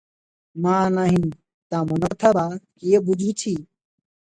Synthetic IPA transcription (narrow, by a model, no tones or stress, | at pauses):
mãːnaɦĩː | t̪ãːmɐnoːt̪ʰabaːkijeːbʊd͡ʒuːt͡ʃʰiː